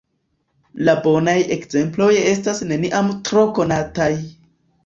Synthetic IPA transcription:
labo̞naje̞kz̥e̞mplo̞je̞stasne̞niʔamtɾo̞ko̞nataj

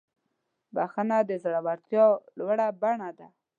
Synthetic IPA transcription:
baxənad̪əzɽawaɾt̪jɑlwaɽabaɳad̪a

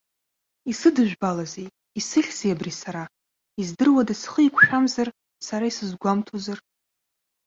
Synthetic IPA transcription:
isɨdɨʒᶣbalazej | isɨχʲz̥ejabrisaɾa | izdɨrwadasχəikʷʰʃᶣamzar | saɾaisɨzɡʷamtʰozar

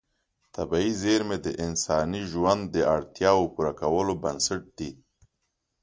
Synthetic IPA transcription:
t̪abaizeɾmed̪əʔɪnsɑniʒwand̪ːəaɽt̪jɑwopuɾakawəlobansaʈ̚d̪i

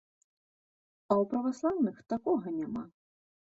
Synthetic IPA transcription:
ɐwpɾɐʋɐslˠawnɪxt̪akɔɦɔnʲɛma

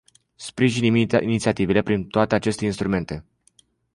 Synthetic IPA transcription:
spɾiʒiniinit̪siat̪ive̞le̞pɾint̪oat̪eat͡ʃe̞st̪e̞inst̪ɾume̞nt̪e̞

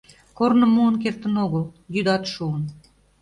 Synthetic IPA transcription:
kornə̆muənkert̪ə̆noɣə̆lˠjyd̪ɑt̪ʃuən

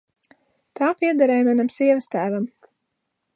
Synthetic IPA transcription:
t̪aːpiɛd̪aɾɛːjmanamsiɛvɐst̪æːvam

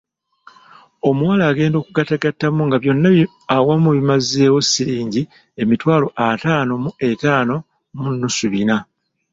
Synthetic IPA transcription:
o̞muwalaːɡe̞ːndo̞ːkuɡataɡatːamuŋɡaβjo̞nːa | awamuβimaze̞ːwo̞siɾiːɲɟi | e̞mitwaːlo̞ʔataːno̞mue̞taːno̞ | munːusuβina

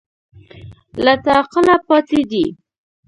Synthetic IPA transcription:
lat̪ɑqəlapɑt̪ed̪i

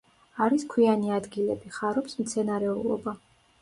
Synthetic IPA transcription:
aɾiskʰwianiad̪ɡilɛbiχaɾɔbsmt̪sʰɛnaɾɛulˠɔ̰ba

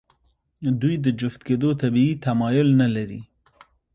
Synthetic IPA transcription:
d̪ujd̪ɨd͡ʒʊft̪keːd̪ot̪ʰabiiːt̪ʰamɑːjʊlnalaɾḭ

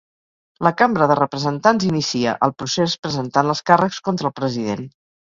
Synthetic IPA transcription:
ləkambɾəðərəpɾəzənt̪anzinisiə̰ʔəlˠpɾusespɾəzənt̪anəskarəkskont̪ɾəlˠpɾəziðen

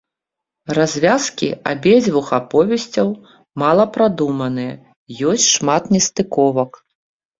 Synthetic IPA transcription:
razʲvʲaskʲḭa̰bʲɛd͡zʲvuxapɔvʲɛsʲt͡sʲɐw | malˠɐpɾad̪umɐnɨjɛ | jɔsʲt͡sʲʂmat̪nʲɛst̪ɨkɔvɐk

